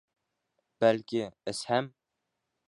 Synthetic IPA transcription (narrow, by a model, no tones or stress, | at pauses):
b̥ælkʲɪɪshæm